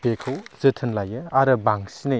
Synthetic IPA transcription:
b̥ekʰɐwzɯtʰɯnlajɐaɾɐbaŋsini

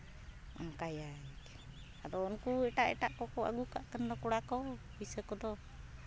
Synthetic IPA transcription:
a̰nkajaik | adɔːnkuɛʈaʔɛ̰ʈaʔkɔkua̰ɡukaʔkəndɔkuɽakɔ | isəkɔdɔ

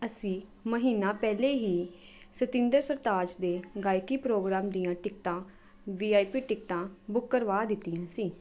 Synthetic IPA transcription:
əsĩː | məɦiːnãːpɛːleːɦiː | sət̪ɪ̃nd̪əɾsəɾt̪aːd͡ʒd̪eːɡaːjkiːpɾoːɡɾaːmd̪ijãːʈɪk̚ʈãː | ʋiːaːipiːʈɪkʈãːbʊkːəɾʋaːd̪ɪt̪ːiːãːsiː

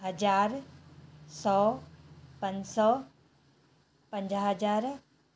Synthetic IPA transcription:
ɦɐd͡ʑaːɾ | sɔː | pɐ̃ɲd͡ʑsɔ | pə̃ɲd͡ʑɦɐd͡ʑaːɾ

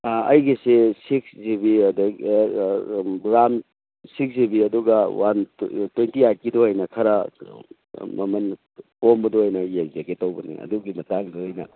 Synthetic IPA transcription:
ɐjɡisesikszibiɐd | bɾam | sikszibiɐduɡɐwʔantwejntiat̚kidoɦɐjnɐkʰɐɾɐ | mɐmɐn | pombɐdoɐjnɐjeŋd͡ʒaɡetowbɐnḭɐ̰duɡimɐtaŋdoɦɐjnɐ̰

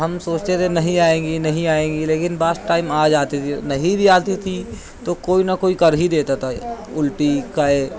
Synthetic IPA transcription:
ɦɐmsoːt͡ʃt̪et̪ʰenɐɦĩaːẽːŋɡinɐɦĩaːẽːŋɡileːkɪnbaːsʈaːɪmaːd͡ʒaːt̪it̪ʰinɐɦĩbiaːt̪it̪ʰi | t̪okoːinɐkoːikɐɾɦid̪eːt̪at̪ʰa | ʊlʈikae

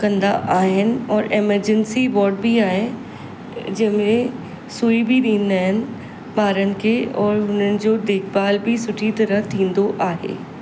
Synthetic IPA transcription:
kɐ̃nd̪aʔaːɦɪnɪ̆ɔːɾɪməɾd͡ʑɛnsibɔːɾɖbiaːɦɪ | d͡ʑɐ̃ɦɪ̃mẽ | suːibiɗĩːnd̪aːɦɪnɪ̆ | ɓaːɾənɪ̆kʰeɔːɾɦʊn̤ənɪ̆d͡ʑoːd̪eːkbaːlbɪsʊʈʰit̪ɐɾət̪ʰĩːnd̪oʔaːɦḛː

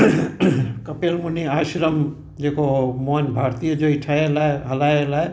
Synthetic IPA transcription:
kʌpelmuniaʃɾəm | d͡ʒekomonbʱaɾt̪ijʌd͡ʒoiʈʰaelaɦəlaelaj

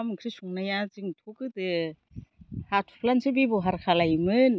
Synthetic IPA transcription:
mɯkʰɾisuŋnajaziŋtʰokɯtɯ | hatʰu̥pʰlansʰɯbibɔɦaɾkʰalajmɯn

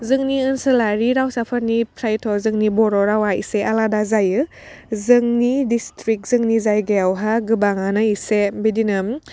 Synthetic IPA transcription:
zɯŋniɯnsɯlaɾiɾawsapʰaɾnipʰɾajtʰɔzɯŋnibɔɾɔɾawaḭseʔaladazajɯ | zɯŋnidistɾik̚z̥ɯŋnizajɡeawɦaɡɯbaŋanɯisebidinɯm

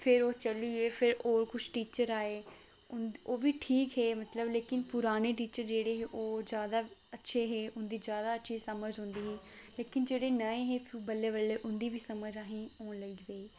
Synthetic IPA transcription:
pʰɪɾoːt͡ʃəliːeːpʰɪɾoːɾkʊt͡ʃʰʈiːt͡ʃəɾaːeː | ʊnoːʋiːʈʰiːkɦeːmət̪ləbleːkɪnpʊɾaːneːʈiːt͡ʃəɾd͡ʒeːɽeːɦeːʔoːzjaːd̪aːətːʃʰeːɦeːʔʊnd̪iːzjaːd̪aːətːʃʰiːsəməd͡ʒɦõːnd̪iːɦẽːleːkɪnd͡ʒeːɽeːnəẽːɦeːpʰːbəlːeːʋəlːeːʔʊnd̪iːʋiːsəməd͡ʒaːɦĩːoːnləid̪eiː

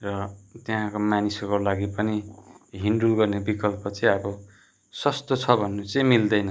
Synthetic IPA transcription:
rʌt̪eɦãkomanisokolaɡipʌniɦinɖulɡʌrnebikʌlpʌt͡sʌ̃ʌbʌ | sʌst̪ot͡sʰʌbʱʌnːut͡sʌ̃ĩmild̪ʌjnʌ

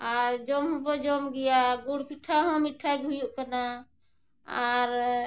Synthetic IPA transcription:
aɾd͡ʒɔmɦũbɔd͡ʒɔmɡɛjaɡuɽpʰiʈʰːaɦɔ̃miʈʰaɡʱujuʔkəna | aɾ

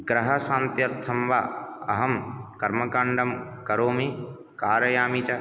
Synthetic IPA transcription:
ɡɾɐɦɐsãːnt̪jɐɾt̪ʰɐmʋaːɐ̰ɦɐmkɐɾmɐkɐɳɖɐmkɐɾoːme | kaːɾɐjaːmit͡ʃɐ

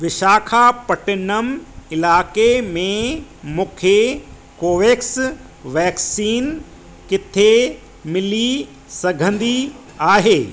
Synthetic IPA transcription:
ʋɪʃaːkʰapɐʈɪnəmɪlaːkemẽmũːkʰe | koːʋeːks | ʋɛːksiːn | kɪt̪ʰe | mɪli | sɐɡʱə̃nd̪i | aːɦeː

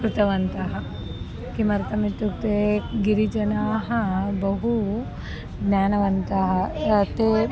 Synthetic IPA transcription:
kɾut̪ɐʋɐnt̪ɐɦɐ̆ | kimɐɾt̪ɐmit̪ːuk̚t̪eɡiɾid͡ʒɐnaːɦɐbɐɦu | ɡnaːnɐʋɐnt̪ɐɦɐɐt̪e

